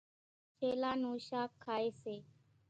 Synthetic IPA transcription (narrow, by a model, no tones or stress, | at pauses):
pʰeːlaːnoːʃaːkʰːaːeːseː